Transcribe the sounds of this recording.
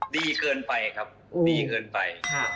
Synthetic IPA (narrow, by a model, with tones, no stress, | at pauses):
diː˧˩kɤː˧npa˧jkʰa˦˥p̚diː˨˧kɤː˧npa̰˧jkʰa˥˩